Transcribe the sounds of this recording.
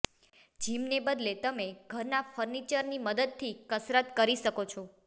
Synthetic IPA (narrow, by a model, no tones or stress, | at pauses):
d͡ʒimnebəd̪let̪əmeɡʱəɾnafəɾnit͡ʃəɾniməd̪əd̪̚t̪ʰikəsɾət̪kəɾiʃəkot͡ʃʰo